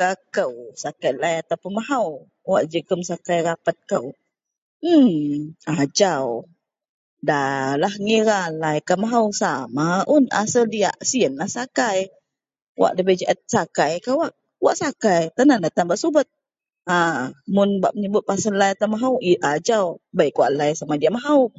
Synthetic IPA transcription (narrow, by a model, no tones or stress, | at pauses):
kakəwsakajlajat̪awpənmaɦaw | waʔd͡ʒəkəmsakajɾapat̪̚kəw̩ | ad͡ʒaw | dalahŋiɾalajkamaɦawsamaʔʊna̰sədia̰ʔsiənlahsakaj | wa̰ʔdəbad͡ʒaʔat̪̚sakajkawaʔ | wa̰ʔsakajt̪ənandat̪anbaʔsubət̪̚ | amʊnbaʔməɲəbʊt̪̚pasəlajat̪amaɦawiʔad͡ʒawbajkuaʔlajsamadiaʔmaɦaw